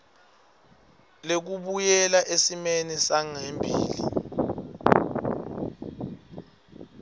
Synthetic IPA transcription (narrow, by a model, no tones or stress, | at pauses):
lek̬uɓujɛlaʔesimenisaŋembʱḭːlḭ